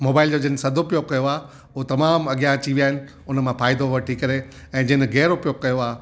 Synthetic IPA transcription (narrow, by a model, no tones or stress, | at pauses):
moːbaːɪld͡ʑoːd͡ʑɐɦnɪsɐd̪ʱopijokɐjoaː | ʊot̪ɐmaːmɐɠjãɐt͡ɕiʋiaːɦɪnɪ̆ | ʊnəmãfaːɪd̪oʋɐʈʰikɐɾe | ɛ̃ːd͡ʑɐ̃ːnɣɛːɾopijokɐjoaː